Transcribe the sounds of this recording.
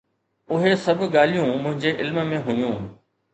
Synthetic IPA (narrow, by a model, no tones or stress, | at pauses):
ʊɦesɐbʱɠaːl̤ijũmʊ̃ɦɪ̃ɲd͡ʑeʔɪlmmẽɦʊjũː